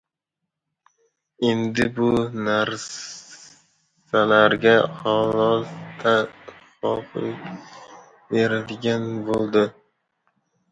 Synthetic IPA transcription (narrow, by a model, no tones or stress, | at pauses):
e̞nd̪ɪbʊnaɾ | salaɾɡʲaχalɒzt̪ʰaχɒfɪ̰ | beɾad̪ɪɡʲanbolˠd̪ɪ